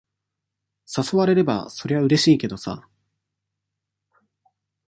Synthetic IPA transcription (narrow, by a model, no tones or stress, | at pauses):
saso̞βaɾe̞ɾe̞ba̰so̞ɾe̞βaɯ̟ɾe̞ɕiːke̞d̪o̞sa̰